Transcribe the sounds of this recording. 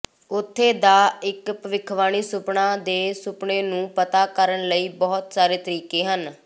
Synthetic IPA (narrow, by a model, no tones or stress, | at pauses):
ʊt̪ʰːeːd̪aːɪkpəʋɪkʰʋaːñiːsʊpɳãːd̪eːsʊpɳeːnũːpət̪aːkəɾəɳləiːbɔːt̪saːɾeːt̪əɾiːkeːɦən